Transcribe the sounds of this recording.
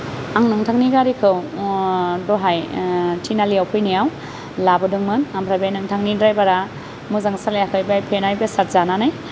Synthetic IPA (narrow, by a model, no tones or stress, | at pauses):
aŋnɯŋtʰaŋniɡaɾikʰɯw | dɔɦajtʰinalijawpʰɯjnijaw | labɯdɯŋmɯnampʰɾabajnɯŋtʰaŋnidɾajbaɾa | muzaŋsalajakʰɯjbajpʰenajbesat̚zananaj